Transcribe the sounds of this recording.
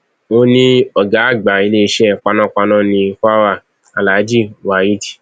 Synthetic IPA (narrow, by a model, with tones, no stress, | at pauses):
o˧nĩ˦ɔ˨ɡa˨˦˨ɡ͡ba˨i˨˧le˦i˧ʃɛ˦˨k͡pa˧nã˦˨k͡pa˧nã˦˨nĩ˧˦fa˦wa˦˨ | a˨la˨˦d͡ʒi˦wa˨ju˦ti̥˨